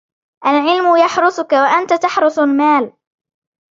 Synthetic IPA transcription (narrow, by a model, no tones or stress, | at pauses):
ʔalʕɪlmʊjaħɾˤʊsʊkawaʔant̪at̪aħɾˤʊsalmaːl